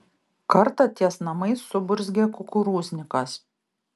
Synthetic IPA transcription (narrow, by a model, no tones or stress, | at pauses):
kɐɾt̪ɐt̪ʲiɛsnɐmɐɪsːʊbʊɾʲzʲɡʲɛkʊkʊɾuːzʲnʲɪkɐs